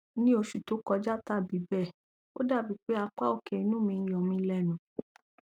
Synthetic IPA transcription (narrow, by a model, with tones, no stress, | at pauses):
nĩ˦o˧ʃu˨to˨˦kɔ˧d͡ʒa˦ta˦˨bi˨˦bɛ˦˨ | o̰˦da˦˨bi˨˦k͡pe˦a˧k͡pa˦o˦˨ke˨i˨˧nũ˦mĩ˧˨jɔ̃˨mĩ˧lɛ˦˨nũ˨